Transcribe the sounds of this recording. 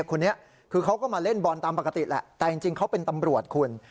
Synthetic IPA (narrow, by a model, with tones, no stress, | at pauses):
kʰo˧nːi˦˥ɐʔ | kʰɯː˧kʰa˦˥wkɔː˥˩maː˧le˥˩nbɔ˧nt̪aː˧mpa˨˩ka˧t̪i˨˩lɛ̰˨˩ʔt̪ɛː˨˩t͡ɕi˧ŋt͡ɕi˧ŋkʰa˦˥wpe˧nt̪a˧mɾu˨˩ət̪̚kʰu˧ən